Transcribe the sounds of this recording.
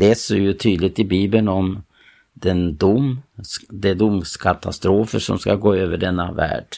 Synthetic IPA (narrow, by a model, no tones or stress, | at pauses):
ɛsoːjʊt̪ʰyːd̪lɪɡ̚t̪ɪbiːbənɔm | d̪ɛnd̪ʊm | d̪ɛd̪ʊmskʰat̪ʰast̪ɾoːfəʂɔ̰mskaɡoːøːvəɖɛnːavæ̰ːɖ̥